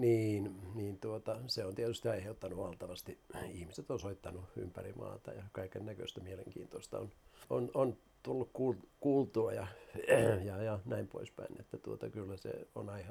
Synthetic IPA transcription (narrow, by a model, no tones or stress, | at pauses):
niːnniːnt̪uot̪ɑseont̪iet̪yst̪iɑiheut̪ːɑnuʋɑlt̪ɑʋɑst̪iihmiset̪onsoit̪ːɑnuy̰mpærimɑ̰ːt̪ɑ̰jɑkɑikennækø̰ist̪æmielḛŋkḭːnt̪oist̪ɑo̰nonon | t̪ulːukkulkuːlt̪uɑjɑ | jɑjɑnæimpo̰ispæ̰inḛt̪ːæt̪uot̪ɑkylːæsḛo̰nɑihɑ